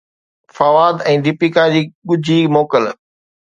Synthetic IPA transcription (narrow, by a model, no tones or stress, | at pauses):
fɐʋaːd̪ɛ̃ːd̪ɪpikad͡ʑiːɠʊd͡ʑʱiːmoːkəl